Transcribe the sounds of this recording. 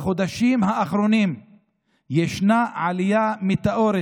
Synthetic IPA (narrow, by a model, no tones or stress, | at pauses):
χo̞d̪aʃimhaːχɾo̞nim | jeʃnaʕalijamit̪aʔoɾe